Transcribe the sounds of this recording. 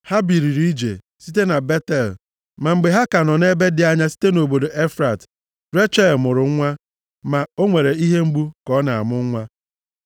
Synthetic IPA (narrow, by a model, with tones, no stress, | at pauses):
ha˦bi˨ɾi˨ɾi˦d͡ʒḛ˨ | si˦te˦na˨be˦tɛ˨l | ma˨ŋ͡m̩˨ɡ͡be˨ɦa˦ka˨nɔ˨ne˦be˦dɪ˨a˦ɲa˦si̥˦te˦no˨bo˨do˨ʔe˦fɾa˨t | ɾe˦t͡ʃa˦˨lmʊ˨ɾʊ˨ŋ̩˦ŋʷa˦ | ma˨o˦ŋʷe˨ɾe˨i˦ɦe˦ŋ͡m̩˦ɡ͡bu˦kɔ˦na˨a̰˨mʊ˦ŋ̩˦ŋʷa˦